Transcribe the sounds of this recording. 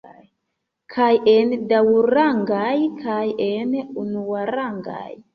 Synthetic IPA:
kʰajendawɾaŋɡajkʰajenunuaɾaŋɡa̰j

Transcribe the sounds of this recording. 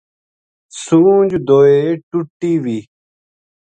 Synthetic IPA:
suːd͡ʒud̪oːeːʈuʈːiːʋiː

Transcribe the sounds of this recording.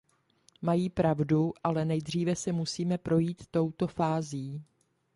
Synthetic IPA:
majiːpɾavduʔalɛnɛjd̪r̝iːvɛsɛmusiːmɛpɾo̞jiːt̪ːo̞wt̪o̞faːziː

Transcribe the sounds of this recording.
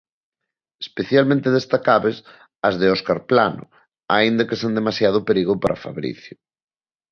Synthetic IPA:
e̥speθjalmẽnt̪eð̞est̪akaβes | ɐzðeɔskaɾplanʊ̰ | aind̪ɐkesend̪emasjaðʊpeɾiɣʊpaɾafa̰βɾḭθjʊ

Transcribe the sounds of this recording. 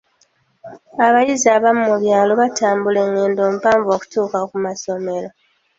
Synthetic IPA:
aβajiziaːβamumuβjaːlo̞βataːmbuleŋːeːndo̞ːm̩upaːɱvo̞ːku̥tuːkakumaso̞me̞ɾo

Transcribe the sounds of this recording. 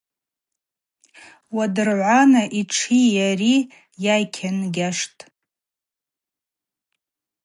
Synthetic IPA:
wadɨrʕʷanaʔiʈ͡ʂʰijari | jajkʲʰanɡʲaʂtʼ

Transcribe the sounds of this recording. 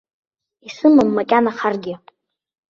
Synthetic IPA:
isɨmamːakʲʼanaχarɡʲɪ

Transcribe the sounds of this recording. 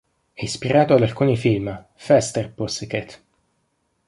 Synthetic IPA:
ɛispiɾaːt̪oad̪alkuːnifilm | fɛst̪ɛrpusiket̪

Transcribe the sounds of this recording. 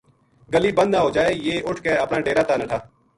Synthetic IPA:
ɡəliːbə̃nd̪ãːɦoːd͡ʒaːeːjeːʔʊʈʰkeəpnaːɖeːɾaːt̪aːnəʈʰaː

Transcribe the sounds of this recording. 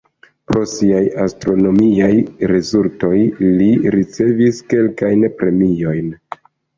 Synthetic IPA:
pɾo̞siajastɾo̞no̞miajɾezulto̞jliɾit͡se̞viske̞lkajnpɾe̞mio̞jn

